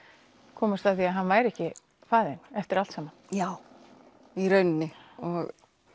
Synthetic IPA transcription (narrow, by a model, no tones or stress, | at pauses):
kʰɔːmast̪aθiaɦanːvaːjɾɛhcɪ | faːðɪnɛft̪ɪɾalt̪saːman̥jaːw | iɾœɥnnɪɔɣ